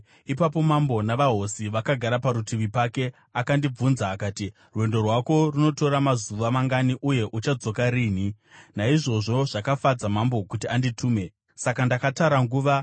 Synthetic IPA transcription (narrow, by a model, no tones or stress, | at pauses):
ipapo̞mambo̞naʋaɦo̞siʋakaɡʱaɾapaɾutʰiʋipake̞ | akandib͡vunzaːkaːti | rwe̞ndo̞rwako̞runo̞to̞ɾamazuʋamaŋɡaniʔuje̞ʔut͡ʃad͡zo̞kaɾiːni | naiʐo̞ʐo̞ʐakafad͡zamambo̞kutianditʰuːme̞ | sakandakataɾaŋɡuːʋa